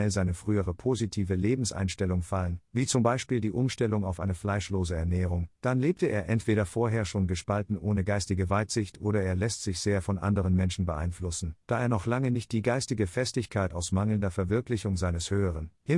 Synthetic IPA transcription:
ɛlzaɪnəfʁ̥yːəʁ̞əpʰoːzitʰiːvəleːbm̩sʔa̰ɪnʃtɛlʊŋfalənviːt͡sʊmbaɪʃpiːldiːʔʊmʃtɛlʊŋaʊfʔaɪnəflaɪʃloːzəɛɐnɛːʁ̞ʊŋd̥anleːp̚tʰəʔeːɐʔɛntv̥eːɾɐfoːɐɦeːɐʃoːnɡəʃpaltn̩ʔoːnəɡaɪstɪɡəvaɪtz̥ɪçtʔoːɾɐeːɐlɛstz̥ɪçz̥eːɐfɔnʔa̰ndəʁənmɛnʃn̩bəʔa̰ɪnflʊsn̩d̥aːeːɐnɔχlaŋənɪçt̚d̥iːɡaɪstɪɡəfɛstɪçkʰaɪtaʊsmaŋl̩ndɐfɛɐvɪɐklɪçʊŋzaɪnəshøːəʁ̞ənhɪ

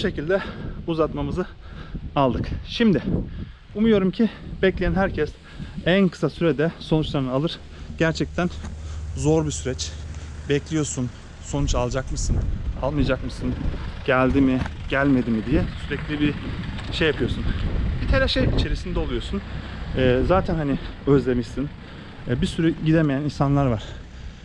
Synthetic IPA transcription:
ʃe̞cilʲd̪ɛuzat̪mamɯzɯalˠd̪ɯkʃimd̪ɪ | umujo̞ɾumcʰibɛclʲejænɦæɾcʰɛs | ænkʰɯ̥sasyɾɛd̪ɛso̞nut͡ʃlˠaɾnɯalˠɯɾ̥ | ɟ̥æɾt͡ʃʰɛc̚t̪ʰænzo̞ɾbisyɾɛt͡ʃbɛclʲijo̞sun | so̞nut͡ʃalˠd͡ʒakmɯsɯnalˠmɯjad͡ʒakmɯsɯnɟ̥ælʲd̪imiɟ̥ælʲme̞d̪imid̪ijɛsyɾɛclʲibiʃejapʰɯjo̞sunbit̪ʰeɾɛʃejit͡ʃʰe̞ɾisind̪ɛolˠujo̞sunɛːzaːt̪ʰænhaniø̞zlʲe̞miʃsin | bisyɾyɟid̪emejæninsanlˠaɾvaɾ̥

